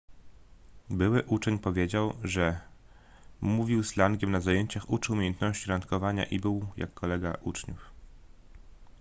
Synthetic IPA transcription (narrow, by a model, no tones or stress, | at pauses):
bɘwɘʔut͡ʂɛɲpɔvʲjed͡ʑawʐɛ | muvʲiwslaŋɡʲjɛmnazajeɲt͡ɕaxut͡ʂɘumʲejɛnt̪nɔɕt͡ɕiɾant̪kɔvaɲa̰ʔibɘwja̰kːɔlɛɡaʔut͡ʂɲuf